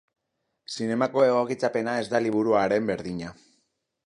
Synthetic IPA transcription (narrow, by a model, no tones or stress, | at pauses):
sine̞mako̞e̞ɣ̞o̞kit͡sape̞nae̞zd̪aliβ̞uɾuaɾe̞mbe̞ɾðiɲa